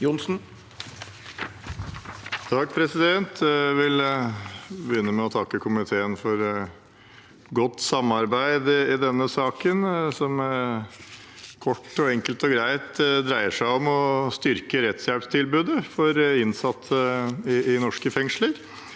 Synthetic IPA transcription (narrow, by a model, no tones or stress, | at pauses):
jʊnsn̩ | t̪ʰɑɡ̚pʰɾɛsɪd̪ɛnt̪ʰʋɪl | bəjʏnːəmɛɔt̪ʰɑkːəkʰʊmɪt̪ʰeːənfɔɾ | ɡɔt̪ːsɑmːɑɾbæɪd̪ɪɪd̪ɛnːəsɑːkənsɔmæɾ | kʰɔʈːɔɛŋkəlt̪ɔɡɾæɪt̪d̪ɾæɪəʂæɪɔmɔst̪ʏɾkəɾɛt̪sjælpst̪ʰɪlbʉːd̪əfɔɾɪnsɑt̪ːəɪɪnɔʂkəfɛŋʂləɾ